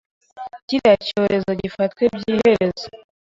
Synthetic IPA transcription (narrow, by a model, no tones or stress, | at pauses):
ciɾacoɾʔe̞zoɟifatkwebɟiːheɾe̞zo